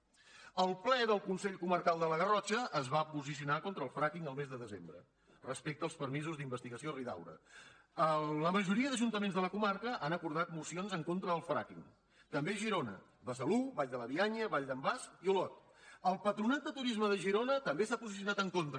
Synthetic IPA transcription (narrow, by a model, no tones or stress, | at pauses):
əlˠplɛðəlˠkunsɛʎkumərkalˠd̪ələɣərɔt͡ʃəʔːzβapuzis̬iunakont̪ɾəːlˠfɾakiŋəlˠmezðəðəzembɾə̰ | rəspek̚t̪əlˠspəɾmizuzðimbəst̪iɣəsioriða̰wɾə̰ | ələməʒuɾiəðəʒunt̪əmenzðələkumarkəʔanəkuɾð̞at̪̚musionzəŋkont̪ɾəðəlˠfɾa̰kiŋ | t̪əmbeʒiɾonə̰ | βəs̬əluβaʎd̪ələβiaɲəβaʎd̪əmbaskiulɔt̪̚ | əlˠpət̪ɾunat̪̚d̪ət̪uɾizməðəʒiɾonət̪əmbesapuzisiunat̪əŋkont̪ɾ